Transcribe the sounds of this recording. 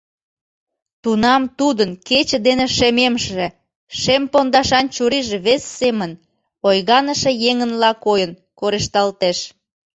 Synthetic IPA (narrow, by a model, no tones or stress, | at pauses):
t̪unɑmt̪ud̪ənket͡ɕə̆d̪eneʃememʃĕ | ʃempond̪ɑʃɑnt͡ɕuɾiʒĕβesːemən | ojɣɑnəʃĕjeŋənlɑkojən | koɾeʃt̪ɑlt̪eʃ